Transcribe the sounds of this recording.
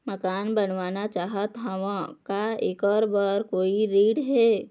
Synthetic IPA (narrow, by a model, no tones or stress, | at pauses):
məkaːnbənʋaːnat͡ʃaːɦət̪ɦɐʋãkaɪkəɾbəɾkoːiɾiːɖɦɛː